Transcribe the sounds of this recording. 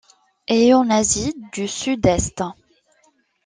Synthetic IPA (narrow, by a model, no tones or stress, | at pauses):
ejɔ̃nazid̪ysyd̪ɛst̪